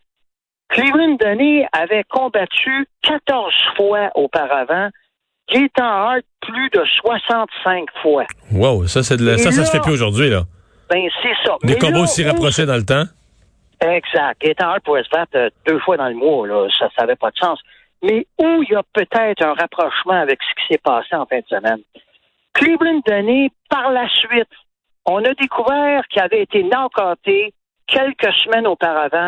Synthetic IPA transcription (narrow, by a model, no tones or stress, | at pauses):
kʰlivɪnd̪ɛniavɛkʰɔ̃bat̪ykat̪ɔʁz̥fwaʔopaʁavã | ɡ̥et̪ɑ̃ɑlt̪̚pʰlyd̪əswasɑ̃t̪sɛ̃kfwawawsʌsɛd̪lasʌsassəfɛpyoʒʊʁdd͡zɥilʌ | bɛ̃sɛsʌmd̪eɛkɔ̃ʁbosiʁapʁɔʃed̪ɑ̃lət̪ã | ɛɡzak̚t̪̚ɡet̪ãpuɛsvat̪əd̪øːfwad̪ɑ̃ləmwɔlɔsasaːvɛpʌd̪sɑ̃ːs | mɛujapøt̪ɛɪt̪ʁœ̃ʁapʁɔʃmãavɛksə̥kʲi̥sɛpɑːseɑ̃fɛ̃d̪əsəmɛn | klyblɪnd̪ɔnepaʁlasɥɪt̪ | ɔ̃nʌd̪ekʰuvɛːʁkʲiavɛːt̪enãkɑːt̪e | kʲʰɛlkʲəsmɛnopaʁavã